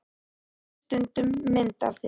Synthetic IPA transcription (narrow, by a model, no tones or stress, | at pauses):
t̪ʏnt̪ʏmːɪnt̪a̰ɾθj